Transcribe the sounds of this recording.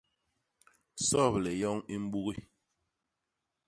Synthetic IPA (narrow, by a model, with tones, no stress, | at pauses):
sɔ˦˨plɛ˨jɔ˦ŋi˦m̩˦ɓu˦ɣi˦˨